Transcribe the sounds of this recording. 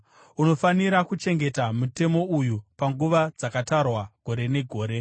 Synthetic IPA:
uno̞faniɾakut͡ʃe̞ŋɡe̞tamute̞mo̞ujupaŋɡuʋad͡zakatarwaɡ̥ʱo̞ɾe̞ne̞ɡʱo̞ːɾe̞

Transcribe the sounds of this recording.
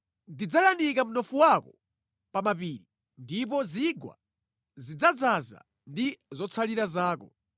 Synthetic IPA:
ndid͡zalanikam̩nɔfuwakɔ | pamapiːɾi | ndip̬ɔziɡwa̰ | zid͡zad͡zaza̰ | ndizɔt͡sʰaliɾazaːkɔ

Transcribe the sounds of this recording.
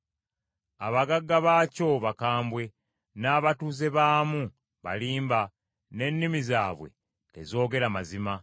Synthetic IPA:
aβaɡaɡːaβaːco̞βakaːmbwe̞ | naːβatuːze̞βaːmu | βa̰liːmba | ne̞nːimizaːβwe̞̰ː | zo̞ːɡe̞ɾamazima

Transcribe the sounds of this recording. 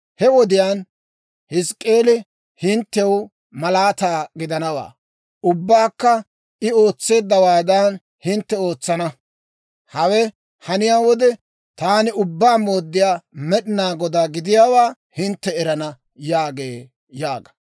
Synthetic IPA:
hɛwɔd̪ɪjaːn | hɪskʼːe̞ːlɪ | hɪnt̪ːɛw | mɐlaːt̪aːɡɪd̪ɐnɐwa̰ː | ʊbːaːkːɐ | ɪo̞ːt͡sːe̞ːd̪ːɐwaːd̪ɐn | hɪnt̪ːɛo̞ːt͡sːɐnɐ | hɐwɛ | hɐnɪjaːwɔd̪ɛ | t̪aːnɪʊbːaːmoːd̪ːɪjaːmɛɗɪnaːɡɔd̪aːɡɪd̪ɪjaːwaː | hɪnt̪ːɛɛɾɐnɐ | jaːɡeː | jaːɡɐ̥

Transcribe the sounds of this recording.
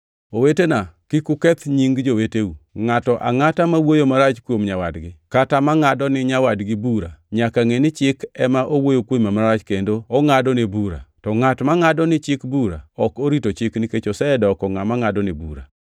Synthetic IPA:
owetenakɪkukɛt̪ɲiŋɡd͡ʒoweteuŋatɔʔa̰ŋatamawojomaɾat͡ʃkwomɲawadɡɪkatamaŋadɔnɪɲawadɡɪbuɾaɲakaŋenɪt͡ʃɪkɛmaʔowojokwoimamaɾat͡ʃkendoɔŋadɔnebuɾa̰tɔŋatmaŋadɔnɪt͡ʃɪkbuɾa̰ɔkoɾitot͡ʃɪkniket͡ʃosɛdɔkɔŋamaŋadɔnɪbṵɾa̰

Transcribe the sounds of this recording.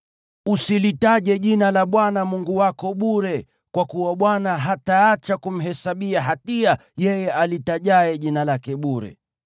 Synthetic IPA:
usilitaʄɛʄinalaɓwanamuŋɡuwakɔɓuɾɛ | kwakuwaɓwanaɦataːt͡ʃakum̩ɦɛsaɓiaɦatiajɛjɛalitaʄaɛʄinalakɛɓuɾɛ̰

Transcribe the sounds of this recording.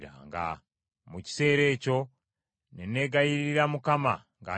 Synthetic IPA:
ɾa̰ŋɡa̰ | muci̥se̞ːɾe̞ːco̞ | nene̞ːɡajiɾɾiɾamukama̰ | ŋɡa̰

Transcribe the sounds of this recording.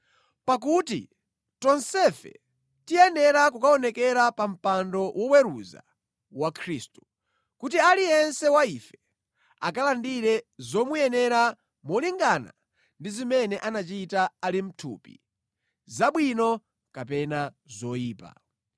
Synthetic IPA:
pak̬utḭ | tɔnsɛfɛ̰ | tijɛnɛɾakukaɔnɛkɛɾapam̩pandɔwʔɔwɛɾuza̰ | wakʰɾiːstu̥ | kutialijɛnsɛwaifɛ | a̰kalandiɾɛzɔmujɛnɛɾa | mɔliŋɡana̰ | ndizimɛnɛʔanat͡ʃitaalim̩tʰṵpḭ | zaɓwinɔ | kap̬ɛna | zɔiːpa̰

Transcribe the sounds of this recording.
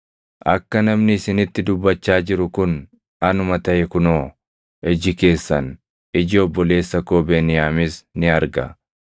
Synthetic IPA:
ʔɐkːɐnɐmnɪɪsɪnɪt̪ːɪd̪ʊbːɐt͡ʃːaːd͡ʒɪɾʊkʊn | ɐnʊmɐt̪ɐʔɛkʊnoː | ɛd͡ʒɪke̞ːsːɐn | ɪd͡ʒɪɔbːɔle̞ːsːɐkoːbeːnɪjaːmɪsnɪɐɾɡɐ̰

